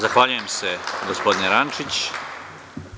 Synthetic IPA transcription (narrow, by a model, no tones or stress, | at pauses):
zaxʋaːʎujemsɛɡospod̪nʲɛɾant͡ʃit͡ɕ